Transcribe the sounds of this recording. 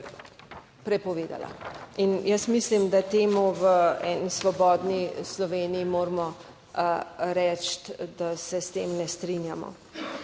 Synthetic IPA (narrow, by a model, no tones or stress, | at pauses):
pɾɛpɔʋeːd̪a̰la̰injəsmislimd̪at̪eːmuʋəɛːnisʋɔbɔːd̪nislɔʋeːnijimoːɾmɔ | ɾɛt͡ʃt̪d̪asɛst̪eːmnɛst̪ɾinjamɔ̰